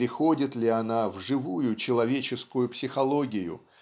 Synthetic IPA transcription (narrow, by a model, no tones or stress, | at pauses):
ɾʲɪxo̞dʲɪt̪lʲɪɐnavʐɨvujʊt͡ɕɪlˠɐvʲet͡ɕɪskʊjʊpsʲɪxɐlˠo̞ɡʲɪjʊ̰